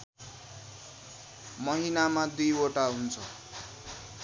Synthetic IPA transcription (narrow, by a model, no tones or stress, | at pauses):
mʌɦinamad̪ujoʈaɦunt͡sʰʌ